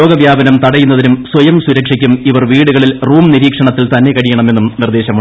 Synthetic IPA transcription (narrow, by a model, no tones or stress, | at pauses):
o̞ːɡɐʋjaːbɐnɐmt̪ɐɽɐjunːɐðinumswɐjɐmsuɾɐkʂikʲːumiʋɐrʋiːɽuɣɐɭilruːmniɾiːkʂɐɳɐt̪ːilt̪ɐnːe̞kɐɽijɐɳɐme̞nːumnird̪e̞ːɕɐmu